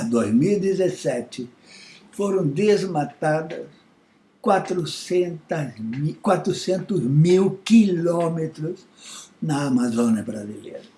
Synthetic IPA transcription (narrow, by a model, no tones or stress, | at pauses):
ɐd̪ozmiwid̪ezesɛt͡ʃ̪ɪ | foɾɐ̃w̃d̪ezmat̪ad̪ɐ̰s | kwat̪ɾʊsẽnt̪ɐzikwat̪ɾʊsẽnt̪ʊzmiwkilɔmet̪ɾʊz | nɐːmazõnɐbɾazilḛɾɐ